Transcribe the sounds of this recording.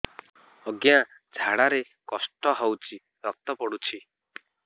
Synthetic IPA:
ɔɡjã | d͡ʒʱaɽaɾe | kɔsʈɔɦɔwt͡ʃʰi | ɾɔk̚t̪ɔpɔɽut͡ʃʰi

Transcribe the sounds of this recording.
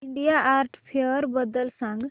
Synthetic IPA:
iɳɖijaʔaːɾʈpʰjeəɾbəd̪əlsãŋɡ

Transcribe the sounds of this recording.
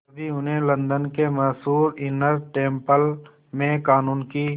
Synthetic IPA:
bʱiʊnɦẽlɐ̃nd̪ənkemɐsuːɾɪnəɾʈẽːmpəl | mẽkaːnuːnkiː

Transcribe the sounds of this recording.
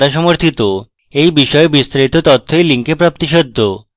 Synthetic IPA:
aʃɔmoɾt̪ʰit̪o | ejbiʃɔebist̪ɾait̪ot̪ɔt̪ʰːojliŋkepɾap̚t̪iʃod̪ʱːo

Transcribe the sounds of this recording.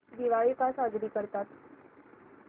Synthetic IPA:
d̪iʋaɭikasad͡zɾiːkəɾt̪at̪

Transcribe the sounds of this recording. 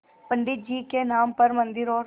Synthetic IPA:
pəɳɖɪt̪̚d͡ʒiːkenaːmpɐɾmə̃nd̪ɪɾɔːɾ

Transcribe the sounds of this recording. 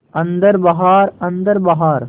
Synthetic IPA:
ɐnd̪ɐɾbɐɦaːɾɐnd̪ɐɾbɐɦaːɾ

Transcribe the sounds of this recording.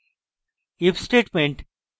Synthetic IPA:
ɪfsʈeːʈmẽɳʈ

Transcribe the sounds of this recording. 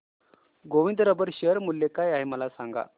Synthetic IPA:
ɡoʋind̪əɾəbəɾɕəɾmulːekajaɦeməlasaŋɡa̰

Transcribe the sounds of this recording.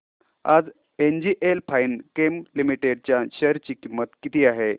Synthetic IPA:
a̰d͡z | end͡ʑiʔelpʰainkemlimiʈeɖ̚t͡ɕjaɕəɾt͡ɕiːkimːət̪kit̪iːaɦe

